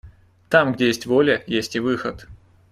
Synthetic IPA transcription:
t̪amɡdʲejesʲtʲvolʲəjesʲtʲɪvɨxət̪

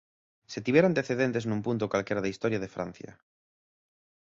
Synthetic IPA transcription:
set̪iβjeɾant̪eθeðent̪eznũmpunt̪okwalkeɾaðeist̪oɾjað̞efɾa̰n̟θja̰

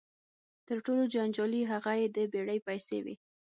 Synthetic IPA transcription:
t̪əɾʈolod͡ʒand͡ʒɑliɦaɣajed̪əbeɽəjpajsḛwḭ

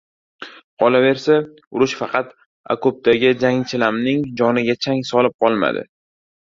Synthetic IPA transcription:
qʰɒlave̞ɾsa | ʊɾʊʃfɑqʰɑt̪ | a̰kop̚t̪ʰaɡʲɪd͡ʒaŋt͡ʃʰɪlamnɪŋd͡ʒɒnɪɡʲat͡ʃʰaŋsɒlɪp̚qʰɒlˠma̰d̪ɪ̰

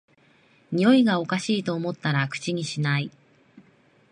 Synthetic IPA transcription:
ɲ̟io̞iɡao̞kaɕiːt̪o̞ːmo̞t̪ːaɾakɯ̟̥t͡ɕiɲ̟iɕinai

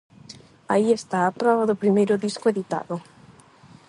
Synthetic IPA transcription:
aiest̪aːpɾɔβaðopɾimejɾod̪iskoeðit̪a̰ðo

